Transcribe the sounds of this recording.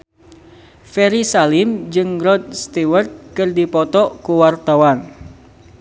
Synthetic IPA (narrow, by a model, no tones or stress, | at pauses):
fɛɾisalɪmd͡ʒɨŋrɔd̪̚st̪iwərt̪̚kɨrdipɔt̪ɔkuwart̪awan